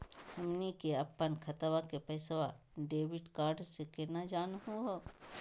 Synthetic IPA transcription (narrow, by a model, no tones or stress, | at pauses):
hɐmnikeɐpːənkʰɐt̪əʋakepɐɪsʋa | ɖeːʋɪɖkaːɾɖsekenad͡ʒaːnɦuɦo